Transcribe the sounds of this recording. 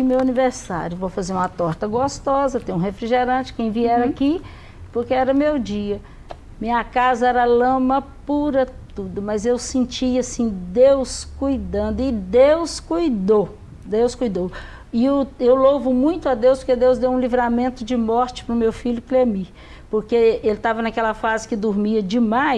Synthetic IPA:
imewɐniveɾsa̰ɾjʊvowfazeɾũmɐt̪ɔɾt̪ɐɡost̪ɔzɐt̪ẽj̃ũhefɾiʒeɾɐ̃t͡ʃɪ̥kẽj̃viɛɾaki | poɾkeɛɾɐmewd͡ʒiɐ | mĩɲɐkazɐɛɾɐlɐ̃mɐpuɾɐt̪ud̪ʊmɐzewsẽnt͡ʃiasĩd̪ewskujd̪ɐ̃nd̪ʊɪd̪ewskujd̪o | d̪ewskujd̪o | ɪʊewlovʊmũj̃t̪ʊɐd̪ewspoɾked̪ewzd̪ewũlivɾamẽnt̪ʊd͡ʒɪmɔɾt͡ʃɪ̥pɾʊmewfiʎʊklemi | poɾkeelɪt̪avɐnɐkɛlɐfazɪkɪd̪ʊɾmiɐd͡ʒɪmaj

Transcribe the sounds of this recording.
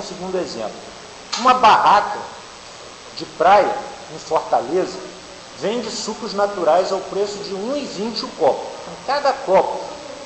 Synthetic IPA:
sɪɡũnd̪ʊezḛ̃plʊ | ũmɐbahakɐ | d͡ʒɪpɾajɐ | ẽj̃foɾt̪alezɐ | vẽj̃d͡ʒɪsukʊznat̪uɾajzawpɾesʊd͡ʒɪũivĩt͡ʃɪʊkɔpʊẽj̃kad̪ɐkɔpʊ

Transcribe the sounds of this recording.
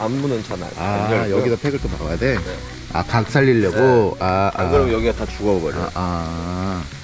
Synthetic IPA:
amːunɯnt͡ɕʰana̰ɭajʌɡidapʰeɡɯɭt͈oma̰ajade̞ | a̰kak̚s͈ʰaʎːiʎːʌɡoakɯɾiɡjʌɡiɡatat͡ɕuɡʌbʌɡʌ̰ʔa

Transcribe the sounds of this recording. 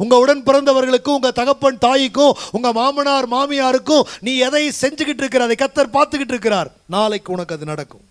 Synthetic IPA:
ʊŋɡɐʊɽɐnpɪɾɐnd̪ɐʋɐɾɣɐɭɯkːɯ̃ʊŋɡɐt̪ɐɣɐpːɐɳt̪aːjɪkːʊ̃ʊŋɡɐmaːmɐnaːɾmaːmɪjaːɾɯkːʊ̃niːɛðɐɪsɛɲd͡ʒɯkːɪʈ̬ːɪɾɯkːɪɾɐɐðɐɪkːɐt̪ːɐɾpaːɾt̪ɯkːɪʈːɪɾɯk̬ːɪɾaːɾ | naːlɐɪkːɯʊɳɐkːɐðɯnɐɽɐkːɯ̰m

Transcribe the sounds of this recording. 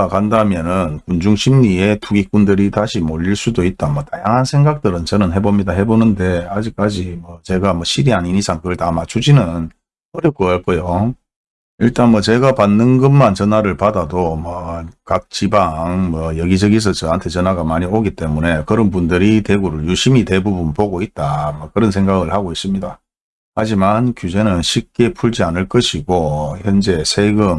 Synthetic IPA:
akandamjʌnɯnkund͡ʑuŋɕʰimɲie̞tʰuɡik͈undɯɾitaɕʰimoʎːiɭs͈udoit̚t͈amʌtajaŋɦansʰe̞ŋɡak̚t͈ɯɾɯnt͡ɕʌnɯnɦe̞bomɲidaɦe̞bonɯnde̞ad͡ʑik͈̚ad͡ʑimwʌt͡ɕe̞ɡamʌɕʰiɾiɦaninisʰaŋkɯɯɭtamat͡ɕʰud͡ʑinɯn | ʌɾjʌk͈oaɭk͈ʌjo | iɭt͈anmwʌt͡ɕe̞ɡapanːɯnɡɯmːant͡ɕʌnaɾɯɭpadadomʌkak̚t͡ɕibaŋmwʌjʌɡid͡ʑʌɡis̬ʰʌt͡ɕɯantʰe̞t͡ɕʌnɦaɡamaɲioɡit͈e̞mune̞kɯɾʌnbundɯɾite̞ɡuɾɯɭjuɕʰimite̞bubunpoɡoit̚t͈amʌkɯɾʌnsʰe̞ŋɡaɡɯɭhaɡois͈ɯmɲida | had͡ʑimankjud͡ʑe̞nɯnɕʰip̚k͈e̞pʰuɭd͡ʑianɯɭk͈ʌɕʰiɡoçjʌnd͡ʑe̞sʰe̞ɡɯm

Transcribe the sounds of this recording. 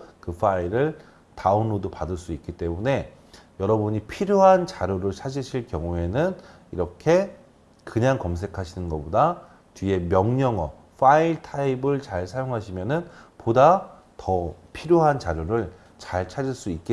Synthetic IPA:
kɯfʰaiɾɯɭ | taunːodopadɯɭs͈uik͈it͈e̞mune̞ | jʌɾʌbuɲipʰiɾjoɦant͡ɕaɾjoɾɯɭt͡ɕʰad͡ʑiɕʰiɭkjʌŋue̞nɯn | ḭɾʌkʰe̞ | kɯɲaŋkʌmsʰe̞kʰaɕʰinɯnɡʌboda | t͡ɕɥie̞mjʌŋɲʌŋʌ | fʰaiɭtʰaibɯɭt͡ɕaɭsʰajoŋɦaɕʰimjʌnɯnpoda | tʌpʰiɾjoɦant͡ɕaɾjoɾɯɭ | t͡ɕaɭt͡ɕʰad͡ʑiɭs͈uik͈̚ie

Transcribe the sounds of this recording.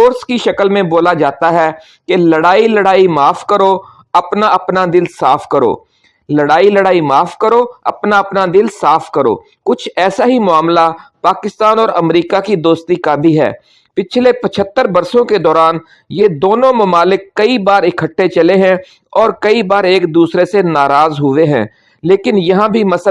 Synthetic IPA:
foːɾskiʃɐkəlmẽboːlad͡ʒaːt̪aɦɛː | keləɽaːiləɽaːimaːfʰkəɾoː | ɐpnaʔɐpnad̪ɪlsaːfʰkəɾo̰ː | ləɽaːiləɽaːimaːfkəɾoːɐ̰pnaɐpnad̪ɪlsaːfkəɾo̰ː | kʊt͡ʃʰɛːsaɦimʊaːmlapaːkɪst̪aːnɔːɾɐmɾiːkakid̪oːst̪ikabʱiɦɛ̰ː | pɪt͡ʃʰlepət͡ʃʰət̪ːəɾbɐɾsõked̪ɔːɾaːn | jeːd̪oːnõmɐmaːlɪkːɐibaːɾɪkʰəʈːet͡ʃəleɦɛ̃ | ɔːɾkɐibaːɾeːkd̪uːsɾesenaːɾaːzɦʊʋeɦɛ̰̃ː | leːkɪnjɐɦãbʱimɐs

